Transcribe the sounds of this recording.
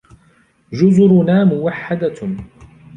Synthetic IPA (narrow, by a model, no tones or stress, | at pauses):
d͡ʒʊzʊɾʊnaːmʊwaħːad̪a